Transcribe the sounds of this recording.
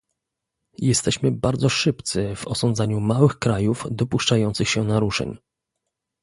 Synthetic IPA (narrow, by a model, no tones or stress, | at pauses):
jɛst̪ɛɕmɘbaɾd̪zɔʂɘpt̪sɘvɔsɔnd̪zaɲumawɘxkɾajufd̪ɔpuʂt͡ʂajɔnt̪sɘxɕɛnaɾuʂɛ̰ɲ